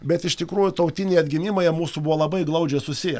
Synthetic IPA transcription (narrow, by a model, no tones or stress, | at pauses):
bʲɛt̪ɪʃt̪ʲɪkɾuːjʊt̪ɐʊt̪ʲɪnʲejɐd̪ʲɡʲɪmʲɪmoːjɛmuːsubʊʋoːlˠɐbɐɪɡlˠɐʊd͡ʒʲɛɪsʊsʲɪjɛ